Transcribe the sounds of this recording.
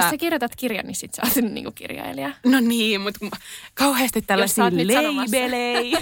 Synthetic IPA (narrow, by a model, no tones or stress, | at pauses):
josssekirjot̪ɑt̪kirjɑ̰nnissit̪seɑːt̪innḭŋkukḭrjɑ̰iliɑnoniːmut̪kumkɑuheːst̪it̪t̪ælːæsɑːnyleɑnoɑbelei